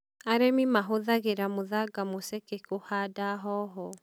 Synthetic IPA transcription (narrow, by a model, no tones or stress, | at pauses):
aɾemimaɦoðaɣeɾamoðaɡamosɛkekohadaɦɔɦɔ